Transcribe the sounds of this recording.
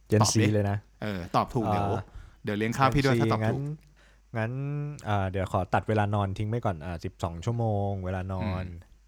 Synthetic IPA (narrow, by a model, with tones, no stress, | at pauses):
je˧nː˨si˧lɤː˧jna˦˥ʔʔɤː˧˩t̪ɔː˨˩p̚t̪ʰuː˨˩kdi˨˦˩di˨˦wli˦˥ənkʰa˥˧˩wpi˥˩da˥˧ɔː˨ŋaː˩˦˥n | ŋa˦˥nʔɤː˨˩d̪i˩˦əwkʰɔː˩˦t̪a˨˩t̪̚weː˧laː˧nɔː˧nt̪ʰi˦ŋma˧˥˩jkɔː˨˩nʔaː˨˩si˨˩p̚sɔː˩˦ŋt͡ɕʰu˥˩ɐəmoː˧ŋweː˧laː˧nɔː˧n